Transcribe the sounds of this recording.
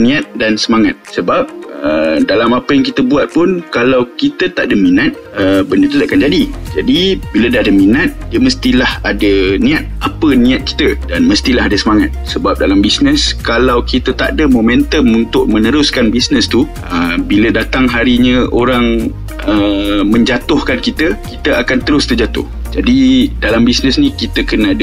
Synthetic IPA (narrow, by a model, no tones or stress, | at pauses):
nĩat̪̚dansəmaŋat̪̚səbap̚ədalamapəjaŋk̬it̪əbuat̪̚pʊnkalawkit̪ət̪aʔdəminat̪̚əbənət̪ut̪akand͡ʒadid͡ʒadibilədahadəminat̪̚diəməst̪ilahadənĩat̪̚apənĩat̪̚ki̥t̪ədanməst̪ilaɦadasəmaŋat̪̚səbap̚dalambisnə̃skalawkit̪ət̪a̰ʔdəmomɛ̃nt̪əmunt̪ʊʔ̚mə̃nəɾʊskanbisnəst̪u | əbilədat̪aŋɦaɾiɲə̃oɾaŋ | əmə̃ɲd͡ʒat̪ʊhkankit̪əkit̪əakant̪əɾʊst̪ərd͡ʒat̪ʊ̰h | d͡ʒadidalambisnəsnĩkit̪əkənaadə